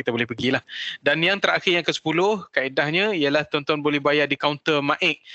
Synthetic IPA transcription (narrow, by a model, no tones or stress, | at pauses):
it̪abolɛhpəɡilahdanjaŋt̪əɾaxɪrjaŋkəsə̥pulʊhkaidahɲaijəlaht̪ɔnt̪ɔnbolɛhbajaʔdikawnt̪ərmãʔɛʔ̚